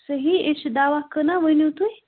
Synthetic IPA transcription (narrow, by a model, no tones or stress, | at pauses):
səɦieʃd̪aʋakənaʋənut̪uj